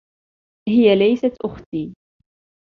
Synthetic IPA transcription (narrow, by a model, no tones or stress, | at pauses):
hɪjalajsat̪ʔʊxt̪iː